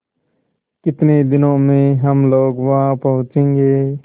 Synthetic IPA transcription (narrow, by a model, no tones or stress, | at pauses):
kɪt̪neːd̪ɪnõːmẽːɦəmloːɡʋãpəɦʊ̃t͡ʃẽːŋɡeː